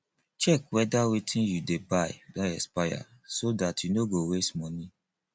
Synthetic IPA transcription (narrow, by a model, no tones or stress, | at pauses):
t͡ʃɛkwɛdawetĩnjudebajdɔ̃ɛspaja̰ | sodatjunoɡowestmɔ̃nĩ